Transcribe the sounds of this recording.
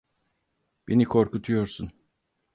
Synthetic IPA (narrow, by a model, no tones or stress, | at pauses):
b̥enikʰo̞ɾkut̪ʰujo̞ɾsun